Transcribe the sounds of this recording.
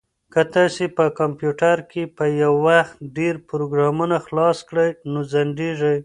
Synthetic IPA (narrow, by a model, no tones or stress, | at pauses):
kət̪ɑsepəkampjuʈaɾkepəjawːaxt̪ɖeɾpʊɾoɡɾɑmunaxlɑskɽəjnozaɳɖeʐəj